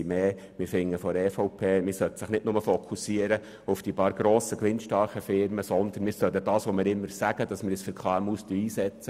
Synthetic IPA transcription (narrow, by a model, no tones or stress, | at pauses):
meː | mɪɾfɪŋːəfɔɾɛːfɔʊpʰeːmɪsœtsɪχnɪtnʊməfɔkʰusiəɾə | ʊfd̥ipɑːɾɡ̥ɾoːsəklɪnʃtɑɾχəfɪɾməsɔnd̪ənmɪːɾsœdədɑːsʋɔmɪɾɪmːəɾsæɡ̥əd̥ɑsmɪɾɪsfəɾkʰlaːmustyiːsɛt͡sə